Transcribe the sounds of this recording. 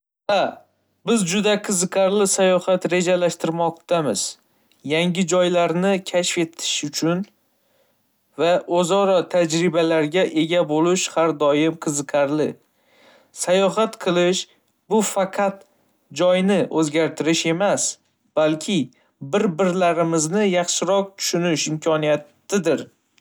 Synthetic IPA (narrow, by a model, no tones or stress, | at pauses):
ha | bɪzd͡ʒʊd̪aqʰɨzɨqʰaɾlɪsajɒhat̪ɾe̞d͡ʒalaʃt̪ɪɾmɒqt̪ʰamɪz̥ | jaŋʲɪd͡ʒɒjlaɾnɪkʲʰaʃfe̞t̪ʰɪ̥ʃʊt͡ʃʰʊn | vaʔozɒɾɒt̪ʰad͡ʒɾɪbalaɾɡʲaʔe̞ɡʲabolɪʃhaɾd̪ɒjɪmqʰɨzɨqʰaɾlɪ | sajɒɦat̪qʰɨlˠɪʃ | bʊfɑqʰɑt̪ | d͡ʒɒjnɪʔɵzɡʲaɾt̪ʰɪɾɪʃe̞mas | b̥alkʲʰɪ | bɪɾbɪɾlaɾɪmɪznɪjɑχʃɪɾɒq̚t̪ʰʊ̥ʃʊnɪʃɪmkʲʰɒnijat̪ː | ɪd̪ɪɾ